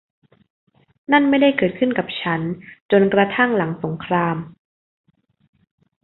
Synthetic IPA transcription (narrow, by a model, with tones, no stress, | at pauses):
na˥˩nma˥˩jda˥˩jkɤː˨˩t̪̚kʰɯ˥˩nka˨˩p̚t͡ɕʰa˦˥nt͡ɕo˧nkɾa˧t̪ʰa˥˩ŋla˩˦ŋso˩˦ŋkʰɾaː˧m